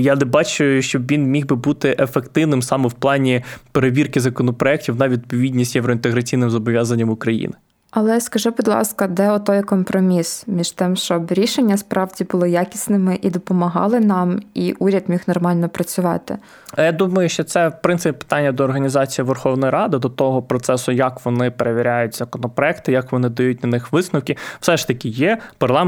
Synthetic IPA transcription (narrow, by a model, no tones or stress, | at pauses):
janɛbɑt͡ʃʊjʊʊʃt͡ʃɔbʋʲinmʲiɣbɪbut̪ɪʔefekt̪ɪwnɪmsɑmɔwplˠɑnʲipeɾeʋʲirkɪzɐkɔnɔpɾɔɛk̚tʲiwnɐʋʲid̪̚pɔʋʲid̪ʲnʲisʲtʲjeʋɾɔint̪eɣɾɐt͡sʲijnɪmzɔbɔʋʲjazɐnʲːɐmʊkɾɐjḭnɪ | ɐlˠɛskɐʒubud̪ʲlˠɑ̰skɐd̪ɛɔt̪ɔjkɔmpɾɔmʲismʲiʃt̪ɪmʃt͡ʃɔbɾʲiʃenʲːɐspɾɑʋdʲibʊlˠɔjakʲisnɪmɪʔid̪ɔpɔmɐɦɑ̰lˠɪnɑmiʔuɾʲɐd̪mʲixnɔrmɑlʲnɔpɾɐt͡sʲʊʋɑ̰t̪ɪ̰ | jad̪umɐjʊʃt͡ʃɔt̪sɛwpɾɪnsɪpʲipɪ̥t̪ɑnʲːɐd̪ɔːrɦɐnʲizɑt͡sʲijiʋerxɔwnɔjiɾɑd̪ɪd̪ɔt̪ɔɦɔpɾɔt̪sɛsʊjɐkʋɔnɪpeɾeʋʲɪɾʲajʊtʲzɐkɔnɔpɾɔɛkt̪ɪjakʋɔnɪd̪ɐjut̚ʲnɐnɪxʋɪsnɔwkʲɪw̥sɛʃt̪ɐkʲijɛpɐrlˠɑ